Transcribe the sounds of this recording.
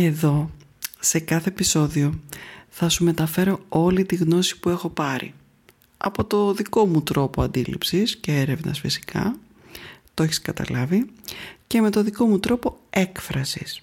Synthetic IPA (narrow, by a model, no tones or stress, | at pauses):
e̞ðo̞ | se̞kɐθe̞ːpiso̞ðio̞θɐsume̞t̪ɐfe̞ɾo̞o̞lit̪iɣno̞si̥pue̞xo̞pɐɾḭ | ɐ̰po̞t̪o̞ðiko̞mut̪ɾo̞po̞ɐnd̪ilḭpsisce̞eɾe̞vnɐ̰sfisi̥kʰɐ̰ | t̪oeçiskɐt̪ɐ̰lɐvice̞me̞t̪o̞ðiko̞mut̪ɾo̞po̞e̞kfɾɐsḭs